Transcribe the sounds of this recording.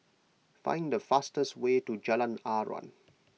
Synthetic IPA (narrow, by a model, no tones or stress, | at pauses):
fã̰ɪ̃nd̪əfastəstweːtud͡ʒɛlə̃naːɹɔ̰̃n